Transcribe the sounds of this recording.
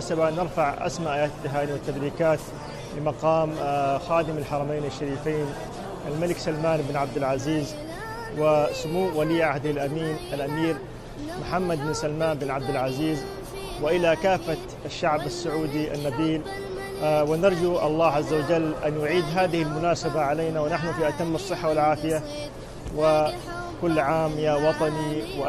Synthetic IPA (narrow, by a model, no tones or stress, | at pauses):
sabanɪɾfaʕʔa̰smaʔaːjaːt̪t̪ːɪɦaːniwɪt̪ːabɾiːkaːt̪ | lɪmɑqɑːmxaːd̪ɪmalħɑɾˤɑmeːnaʃːaɾiːfeːn | ʔalmalɪksalmaːnbɪnʕab̚d̪ɪlʕaziːz | wɪsʊmuːwaliːʕahd̪hɪlʔamiːnʔalʔamiːɾ | mʊħamːad̪̚bɪnsalmaːnbɪnʕab̚d̪ɪlʕaziːz | wɪʔɪlakaːfːat̪ | aʃːaʕbasːʊʕuːd̪iʔa̰nːabiːl | wɪnɑɾˤd͡ʒuʔɑlˤːɑːʕazːawad͡ʒalːʔanjʊʕiːd̪ɦaːðɪhɪlmʊnaːsabaʕaleːnawɪnaħnʊfiʔat̪amːɑsˤːɨħːawalʕaːfɪja | wɪ | kʊlːʕaːmjawɑt̪ˤɑniwɪ